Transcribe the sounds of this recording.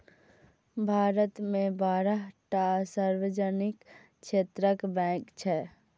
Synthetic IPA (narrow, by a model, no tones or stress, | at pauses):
bʱaːɾət̪mẽbaːɾəɦʈasaɾʋed͡ʒənik | ʃʰet̪ɾəkbɛ̃kt͡ʃʰɛ